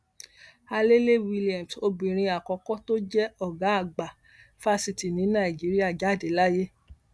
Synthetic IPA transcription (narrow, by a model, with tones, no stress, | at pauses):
a˧le˦le˦wi˧li˦a˨mso˧bĩ˨ɾ̃ĩ˧a˨kɔ˧kɔ˦to˦d͡ʒɛ˦ɔ˦˨ɡa˨˦a˦˨ɡ͡ba˨ | fa˦si˨ti˨nĩ˨˦nã˦˨d͡ʒi˨˦ɾi˦a˦˨d͡ʒa˨˦˨de˨˦la˦je˦